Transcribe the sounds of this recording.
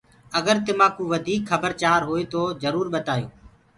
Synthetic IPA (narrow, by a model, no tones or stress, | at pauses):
əɡəɾt̪ɪmãːkũːʋəd̪ʱiːkxəbəɾt͡ʃaːɾɦoːeːt̪oːzəɾuːɾɓət̪aːjo̰ː